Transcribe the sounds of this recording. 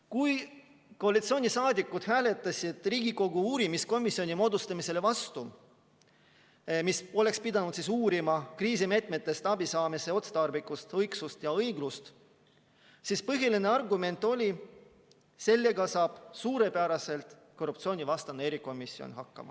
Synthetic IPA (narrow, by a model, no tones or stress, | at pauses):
kuj | ko̞ɑlit̪sio̞ːnʲisɑːd̪ʲikːˑud̪̥hæːle̞t̪ːˑɑsʲid̪̥riːɡiko̞ɡ̥uuːɾimisko̞misːio̞nʲimo̞ːd̪ust̪ɑmise̞le̞vɑst̪u | miso̞le̞kspid̪̥ɑnud̪sisuːɾimɑkriːsime̞ːt̪me̞t̪ːˑe̞st̪ɑbisɑːmise̞o̞t̪se̥t̪ɑrbikˑust̪ɤjɡsust̪jɑɤjɡ̥lust̪ | siːspɤɦiline̞ɑrɡume̞nt̪ːˑo̞lʲi | se̞lːe̞ɡɑsɑːb̥suːɾe̞pæɾɑse̞lt̪ˑ | ko̞rːupt̪sio̞nʲivɑst̪ɑnee̞ɾiko̞misːio̰nhɑkːɑ̰mɑ̰